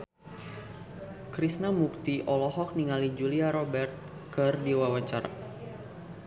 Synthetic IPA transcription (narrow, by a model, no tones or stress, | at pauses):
kɾisnamuk̚t̪iʔɔlɔɦɔk̚niŋalid͡ʒuliaɾɔbɛrt̪̚kɨrdiwawat͡ʃaɾa̰